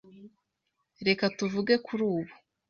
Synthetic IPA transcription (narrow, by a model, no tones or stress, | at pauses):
ɾe̞katuvuɡe̞kʰuɾuːβo